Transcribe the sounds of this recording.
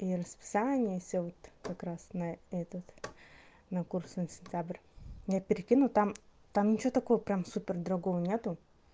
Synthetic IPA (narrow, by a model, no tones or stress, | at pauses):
irəsʲpʲɪ̥sanʲɪjəsʲəvot̪kɐkɾasnɐɛt̪ət̪ | nɐkursənəsʲɪnʲtʲabrʲjapʲɪɾʲɪkʲinʊlˠt̪am | t̪amnʲɪt͡ɕɪvot̪ɐko̞vəpɾʲamsupʲɪrd̪əɾɐɡovənʲet̪ʊ